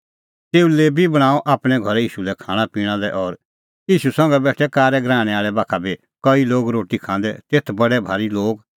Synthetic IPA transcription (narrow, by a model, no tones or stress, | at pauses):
t̪eːuleːbibɐɽ̃aːɔʔaːpɽ̃ɛɡʱɔɾiːʃulɛkʰaːɽ̃apiːɽ̃ãlɛʔɔɾ | iːʃusɐ̃ŋɡɛbɛːʈʰɛkaːɾɛɡɾaːɽ̃ɛ̃aːɭɛbaːkʰabi | kɐiloːɡɾoːʈikʰãːnd̪ɛt̪eːt̪ʰbɐɽɛbʱaːɾiloːɡ